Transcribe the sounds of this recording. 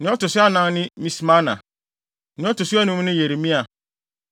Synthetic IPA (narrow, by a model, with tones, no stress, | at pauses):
nɪ̃˨˦ɔ˦tʊ˨sʊ˦a˦nã˦nɪ̃˦mĩ˦smã˦nã̰˨ | nɪ̃˨˦ɔ˦tʊ˨su˦a˦nʊ̃˦m̃˦nɪ̃˦je˨ɾi˨mĩ˦a˨